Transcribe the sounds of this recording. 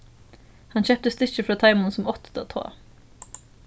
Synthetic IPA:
hɑnçœːp̚t̪əst̪ʏçəfɾɑːt̪ʰɑɪmʊnsɔmɔt̪t̪ot̪ʰo̰ː

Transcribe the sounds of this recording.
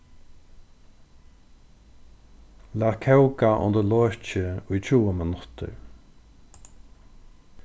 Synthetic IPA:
lakʰɛwɡaʔʊ̰nd̪əlɔːɹt͡ʃəʊjt͡ɕʰuːəmɪnʊt̪ʰə̰ɹ

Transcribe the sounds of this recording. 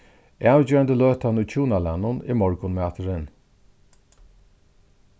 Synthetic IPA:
ʔawd͡ʑɛːand̪əløːt̪anujt͡ɕʰuːnalanːʊnḭmɔɹkʊnmaːt̪əɾɪn

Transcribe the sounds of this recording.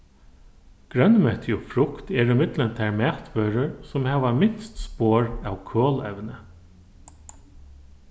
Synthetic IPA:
ɡ̥ɾœnmœt̪ʰɪʊfɾʊkt̪ɛːɹʏmɪd̪lənt̪ʰæɹmæːt̪ʋøːɹəɹsʊmhæːʋamɪnst̪spoːɹawkʰoːlɛ̰ʋnə

